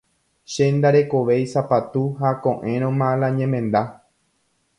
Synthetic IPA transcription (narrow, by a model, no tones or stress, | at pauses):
ʃend̪aɾe̞ko̞ʋe̞jsapat̪uɦakõʔẽɾ̃õmãlãɲẽmẽnd̪a